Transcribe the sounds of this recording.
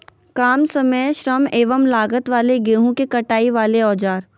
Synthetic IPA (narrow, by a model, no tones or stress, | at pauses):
kaːmsɐməjʃɾəmeːʋəmlaːɡət̪ʋaːleɡeːɦũkekɐʈaːiʋaːleɔːd͡ʒaːɾ